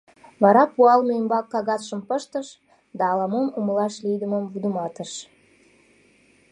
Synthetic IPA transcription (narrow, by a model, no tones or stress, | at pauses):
βɑɾɑpuɑlmeəmbɑkːɑɣɑt̪ʃəmpəʃt̪əʃ | d̪ɑːlɑmomuməlɑʃlijd̪əməmvud̪əmɑt̪əʃ